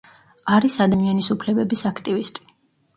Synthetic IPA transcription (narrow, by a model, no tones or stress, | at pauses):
aɾisad̪amianisupʰlɛbɛbisakʰt̪ʼivist̪ʼi̥